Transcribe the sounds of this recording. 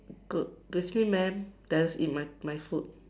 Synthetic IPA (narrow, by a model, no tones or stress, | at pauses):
ɡɡɛfnimɛ̃md̥ɛnsḭt̚mamajfut̚